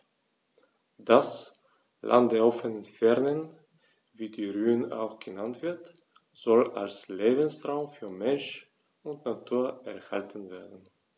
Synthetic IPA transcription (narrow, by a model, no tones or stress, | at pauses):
d̥as | lʔa̰nt̚d̥eːɐɔfənənfɛɐnən | viːdiːʁyːəna̰ʊxɡ̥ənantv̥ɪɐt | z̥ɔla̰lsleːbən̩sʁaʊmfyːɐmɛnʃ | ʊntnatʰuːɐʔɛɐhaltʰən̩veːɐdn̩